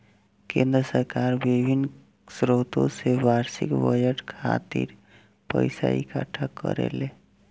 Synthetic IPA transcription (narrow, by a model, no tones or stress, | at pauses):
kẽːnd̪ɾəsəɾkaːɾʋɪbʱɪn | sɾoːt̪õ̰seʋaːɾsɪ̰kʋəjəʈkʰa̰t̪ḭɾ | pə̰ɪsa̰ikʰaʈʰakə̰ɾḛle